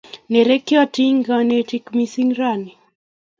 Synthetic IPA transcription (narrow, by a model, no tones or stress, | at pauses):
nɛɾɛkiwatiŋɡanɛtikmisiŋɾani